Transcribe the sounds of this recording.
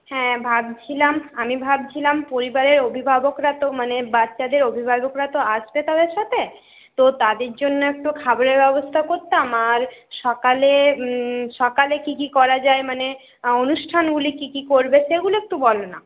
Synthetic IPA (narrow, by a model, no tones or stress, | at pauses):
hɛ̃bʱab̚t͡ɕʰilamamibʱab̚t͡ɕʰilampoɾibaɾeɾobʱibʱabokɾat̪omanebatːɕad̪eɾobʱibʱabokɾat̪oaʃbet̪ad̪eɾʃat̪ʰe | t̪ot̪ad̪eɾd͡ʑonːoɛk̚ʈukʰaboɾeɾbɛbost̪ʰakoɾt̪amaɾʃɔkale | ʃɔkalekikikɔɾad͡ʑaemane | onuʃʈʰanɡulikikikoɾbeʃeɡuloɛk̚ʈubɔlona